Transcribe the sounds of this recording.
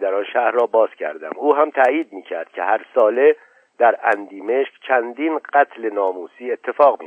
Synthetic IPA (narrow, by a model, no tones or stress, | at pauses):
d̪æɾɒnʃæhɾrɒːbɒːz̥cʲʰæ̰ɾd̪æ̰muːɦæmt̪ʰæjiːd̪̚miːcʰæɾd̪̥̚cʲʰehæɾsɒːle̞ | d̪̥æɾænd̪iːme̞ʃkt͡ʃʰænd̪iːnɢæt̪ʰle̞nɒːmuːsiːe̞t̪ʰːefɒːɣmi